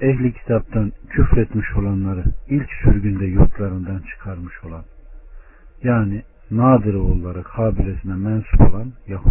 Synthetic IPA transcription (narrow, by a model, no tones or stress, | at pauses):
ɛçlʲicʰi̥t̪ʰap̚t̪ancʰyfɾet̪miʃo̞lˠanlˠaɾɯilʲcsyɾɟynd̪ɛjuɾt̪ʰlˠaɾɯnd̪ant͡ʃʰɯ̥kʰaɾmɯʃo̞lˠan | jaːni | naːd̪ɯɾolˠːaɾɯkʰaːbilʲesinɛmɛnsu̥pʰo̞̰lˠanjahu